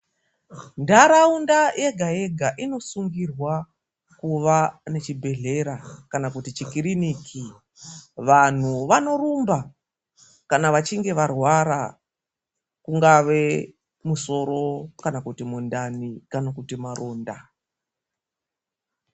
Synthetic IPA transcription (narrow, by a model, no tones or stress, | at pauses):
ndaɾaundajʔe̞ɡʱaje̞ɡʱaʔino̞suŋɡirwa | kuʋane̞t͡ʃibʱe̞ɮe̞ɾakanakutit͡ʃikiriniːkʰi | ʋan̤uʋano̞rumba | kanaʋat͡ʃiŋɡe̞ʋarwaɾa | kuŋɡaʋe̞ | muso̞ɾo̞kanakutimundanikanakutimaroːnda